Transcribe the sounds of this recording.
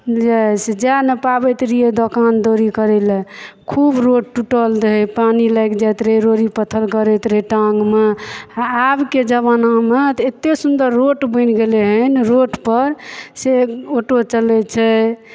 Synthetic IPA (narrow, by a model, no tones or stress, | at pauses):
d͡ʒɛsd͡ʒanepabət̪ɾied̪okand̪oɾikəɾɛlɛkʰubɾoʈ̚ʈuʈəld̪əɦipaniləjkd͡ʒat̪ɾeɾoɾipət̪ʰəlkəɾɛt̪ɾeʈaŋɡmeaabked͡ʒəβanamet̪et̪ːesund̪əɾːoʈbənɡeleɦənɾoʈpəɾseoʈot͡ʃəlɛt͡ʃʰɛ